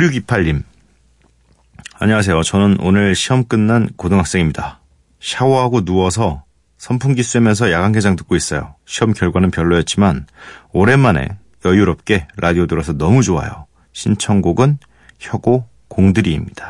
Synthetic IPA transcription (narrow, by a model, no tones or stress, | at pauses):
uɾjuɡipʰaʎːim | a̰ɲʌwas̬ʰe̞jot͡ɕʌnɯnonɯɭɕʰiɦʌmk͈ɯnːankodɯŋɦak̚s͈eŋimɲida | ɕʰawʌɦaɡonuʌsʰʌ | sʰʌmpʰuŋɡisʰuemjʌns̬ʰʌjaɡaŋɡed͡ʑaŋtɯ̥k͈ois͈ʌjo̰ɕʰiʌmkjʌɭɡwanɯnpjʌɭːojʌt̚t͡ɕ͈imanoɾe̞mːane̞̰ | jʌjuɾʌp̚k͈e̞ɾʔadiodɯɾosʰʌnʌmud͡ʑoa̰jo̰ | ɕʰint͡ɕʰʌŋɡoɡɯn | çjʌɡo | koŋdɯɾiːmɲid̥ḁ